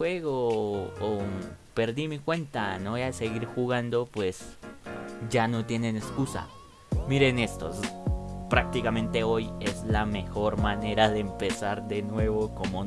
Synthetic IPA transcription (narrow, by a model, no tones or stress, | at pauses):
weɣoː | pe̞ɾðimikwe̞nt̪anoeaðeseɣiɾxuɣand̪o̞pwe̞s | ʝano̞t̪je̞neneskusa̰ | miɾe̞ne̞st̪o̰ | pɾak̚t̪ikamẽ̞nt̪e̞ojezlamexo̞ɾmane̞ɾaðeːmpesaɾðenwe̞βokomo